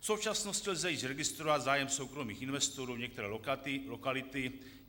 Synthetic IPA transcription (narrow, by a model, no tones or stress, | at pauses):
fso̞wt͡ʃasno̞stcɪlzajiːzɾɛɡɪst̪ɾovad̪zaːjɛmsowkɾo̞miːxɪnvɛst̪oɾuːɲɛk̚t̪ɛɾɛːɪlokalɪt̪ɪ